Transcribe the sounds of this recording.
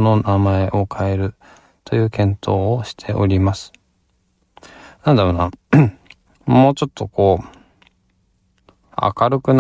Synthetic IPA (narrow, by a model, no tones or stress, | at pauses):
no̞namae̞ʔo̞kʰae̞ɾɯ̟ | t̪o̞jɯ̟ːkẽ̞nt̪ʰo̞ːoɕi̥t̪ʰe̞ʔo̞̰ɾʲimasɨ̥ | nãnd̪aɾona | moːt͡ɕo̞t̪ʰːo̞ko̞ː | a̰kaɾɯ̟kɯ̟n